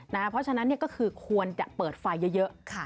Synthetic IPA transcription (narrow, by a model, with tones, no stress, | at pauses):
na˦˥pʰɾɔ˦˥t͡ɕʰa˧na˦˥nːi˥˩əkɔː˥˩kʰɯː˧kʰu˧ənt͡ɕa̰˨˩ʔpɤː˨˩t̪̚fa˧jːɤ˦˥jɤ˦˥ʔkʰa˥˩